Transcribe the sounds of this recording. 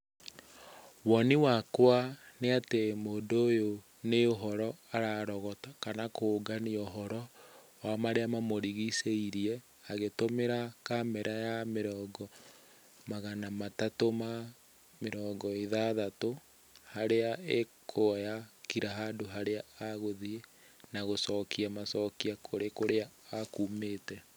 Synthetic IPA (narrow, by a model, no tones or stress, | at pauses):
wɔniwakwaneatemoːndojo | neoɦɔɾɔaɾaɾɔɣɔtakanakoɡanioɦɔɾɔ | wamaɾeamamoɾiɣiseiɾiɛ | aɣetomeɾakamɛɾʔajameɾɔːɡɔ | maɣanamatatoma | meɾɔːɡɔeðaðato | haɾeaekʰojakiɾaɦadoɦaɾeaːɣoðie | naɣosɔkʰiamasɔkiakʰoɾekoɾeaːkuːmeːtɛ